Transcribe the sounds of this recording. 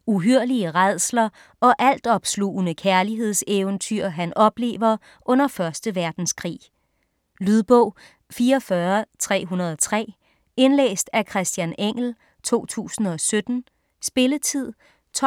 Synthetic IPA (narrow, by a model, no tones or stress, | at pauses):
uɦyɐ̰liəʁað̰ˠslɐ | ɒ̽ʔæl̰d̥ɒ̽b̥sluːnəkʰæɐliɦe̝ð̞̰ˠseːʊnt͡sʰyɐ̰ɦænɒ̽b̥le̝̰ːʋɐ | ʔɔ̽n̰ɐfɶɐsd̥əʋæɐd̥n̩skʰʁḭː | lyðˠb̥ɔʊ̰ | fiːɐɒfɶːɐt͡sʰʁɛ̰ːɦunɐð̞ˠɒ̽t͡sʰʁɛ̰ː | e̝nlḛːsd̥ækʰʁɛsd̥jæneŋ̰l̩ | t͡sʰo̝̰ːt͡sʰṵːsn̩ɒ̽sød̥n̩ | sb̥e̝lət͡sʰið̰ˠ | t͡sʰ